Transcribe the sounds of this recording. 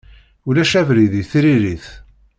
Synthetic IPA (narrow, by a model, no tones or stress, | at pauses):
ulæʃævɾiðiθiɾiɾiθ